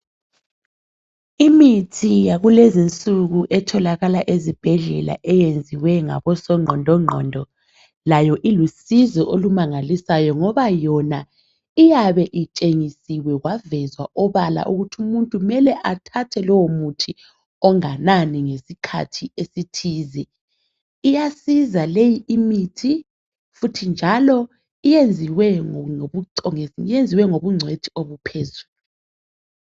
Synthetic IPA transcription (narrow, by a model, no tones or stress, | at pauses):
imitʰijaɣulezint͡sʼuɣuʔɛtʰɔlaɣalaʔezib̥ʱɛɮɛla̰ʔɛjend͡zʱiwɛŋa̰βɔsɔŋ͡ǃʱɔndʱɔŋ͡ǃʱɔ̰ndʱɔ | lajɔʔilusizɔʔolumaŋalisajɔŋɔβajɔna | ijaβɛʔit͡ʃʼeŋisiwɛɣwavɛzwa̰ʔɔβala̰ʔuɣutʰiumuntʼumɛlɛʔatʰatʰɛlɔwomutʰi | ɔŋananiŋesikʰa̰tʰiesitʰiːzɛ | ijasizalejiʔimitʰi | futʰind͡ʒʱalɔ | ijend͡zʱiwɛouǀɔŋijend͡zʱiwɛŋoβuŋ͡ǀʱwetʰioβupʰezuːlu